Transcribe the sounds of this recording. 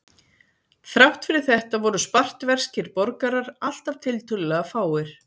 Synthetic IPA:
fɾawht̪fɪɾɪ̥θɛht̪avɔɾʏspar̥t̪vɛr̥scɪɾpɔɾkaɾaɾal̥t̪av̥t̪ʰɪlt̪ʏlɪlɛɣafaːwɪɾ̥

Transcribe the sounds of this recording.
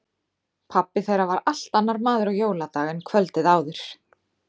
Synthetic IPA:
pʰapːɪθejɾavaɾal̥t̪anːaɾmaːðʏɾaɣjoːwlat̪aːɣɪnkʰvœlt̪ɪðaːwðɪɾ̥

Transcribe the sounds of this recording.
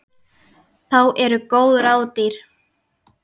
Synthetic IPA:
θawʔɛɾʏkoːwðɾaːwt̪iɾ̥

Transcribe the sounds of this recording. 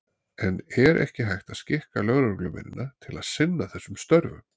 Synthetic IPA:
ɛnɛɾʔɛ̰hcɪɦajht̪aðscɪhkalœɣɾœɾklʏmɪ̰nːɪnat̪ʰɪlaðsɪnːaθɛsːʏmst̪œɾvʏ̰m

